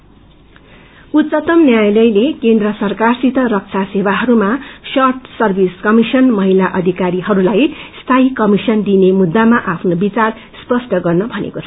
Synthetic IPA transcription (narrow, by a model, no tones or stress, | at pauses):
ut̪t͡sʌt̪ʌmnjajlʌjlekend̪rʌsʌrkarsit̪ʌɾʌk̚t͡sʰasebaɦʌɾumasʌrʈsʌrbʱiskʌmisʌnmʌɦilaʔʌd̪ʱikaɾiɦʌɾulajst̪ʰaikʌmisʌnd̪inemud̪ːamaʔapʰnobit͡sar | spʌsʈʌɡʌrnʌbʱʌnḛkot͡sʰʌ